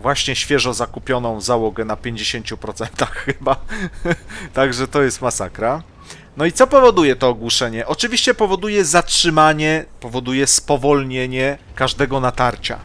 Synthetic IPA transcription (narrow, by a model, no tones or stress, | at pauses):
vwaɕɲɛɕfʲjɛʐɔ̃zakupʲjɔnɔ̃w̃zawɔɡɛnapʲjeɲd͡ʑeɕeɲt͡ɕupɾɔt̪sɛnt̪axːɘba | t̪aɡʐɛt̪ɔjɛst̪masakɾa | nɔit̪sɔpɔvɔd̪ujɛt̪ɔːɡwuʂɛɲɛʔɔt͡ʂɘvʲiɕt͡ɕɛpɔvɔd̪ujɛzatʂɘmaɲɛpɔvɔd̪ujɛspɔvɔlɲeɲɛkaʐd̪ɛɡɔnat̪aɾt͡ɕa̰